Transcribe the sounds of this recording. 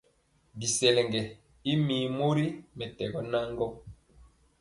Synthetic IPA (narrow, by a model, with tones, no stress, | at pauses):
bi˨sɛ˨lɛ˨ŋɡɛ˨ | i˦miː˨mo˦ɾi˦mɛ˨tɛ˨ɡɔ˦na˦ŋɡɔ˦